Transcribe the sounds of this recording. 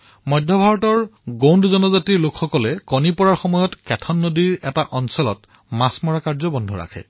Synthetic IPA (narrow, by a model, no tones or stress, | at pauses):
mɔjdʱjɔbʱaɹɔtɔɹɡowndzɔnɔzatiɹlokxɔkɔlɛkɔnipɔɹaɹxɔmɔjɔtkɛtʰɔnːodiɹɛtaʔɔnsɔlɔ̰t | masmɔɹakaɹzɔbɔndʱuɹa̰kʰɛ̰